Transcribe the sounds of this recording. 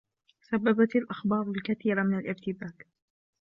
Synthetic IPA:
sabːabat̪alʔaxbɑːɾˤʊlkaθiːɾamɪnalʔɪɾt̪ɪbaːk

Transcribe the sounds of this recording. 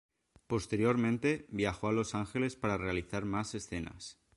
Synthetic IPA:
po̞st̪e̞ɾjo̞ɾmẽnt̪e̞bjaxoalo̞saŋxe̞le̞spaɾare̞aliθaɾmase̞sθe̞na̰s

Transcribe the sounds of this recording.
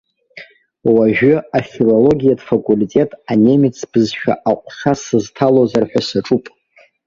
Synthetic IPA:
waʒᶣʏafilo̞lo̞ɡʲijadfakʼulitʼe̞tʼanʲe̞mit͡sʰb̥ɨzʃᶣa̰ʔaqʷʰʼʂasɨztʰalozarħᶣasaʈ͡ʂʼupʼ

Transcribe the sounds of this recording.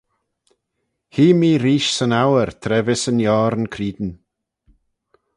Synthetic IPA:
hiːmiːɾiːʃsənawəɾt̪ʰɾɛvɪsənjɔːɾənkʰɾiːd̪n̩

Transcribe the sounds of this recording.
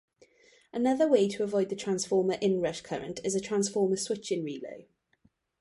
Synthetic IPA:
ənʌðəweɪtʰəəvɔɪd̪̚ðətʰɹ̥ãnsfɔːməɹʔɪ̃nɹəʃkʰəɹə̃ntʰɪzətʰɹ̥ãnsfɔːməswɪt͡ʃɪ̃nɹiːlə̰ʊ

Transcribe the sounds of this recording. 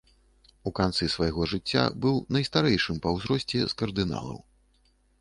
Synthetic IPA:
ukant̪sɨsvɐjɣɔʐɨt͡sʲːa̰bɨwnɐjst̪aɾɛjʂɨmpɐwzɾɔsʲt͡sʲɛ̰skɐrd̪ɨna̰lˠɐ̰w

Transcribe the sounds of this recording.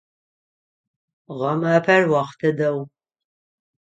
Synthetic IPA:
ʁɐmaːpʰɐrwɑχtʰɨdɐw

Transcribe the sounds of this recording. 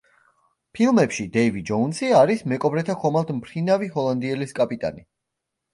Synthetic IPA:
pʰilˠmɛpʃid̪ɛivid͡ʒɔunsiaɾismɛkʼɔbɾɛt̪ʰakʰɔmalˠd̪mpʰɾinaviɦɔlˠand̪iɛliskʼapʼit̪ʼa̰ni

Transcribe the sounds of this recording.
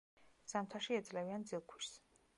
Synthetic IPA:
samt̪ʰaʃiɛd̪zʼlɛviand̪zilˠkʰwiɾs

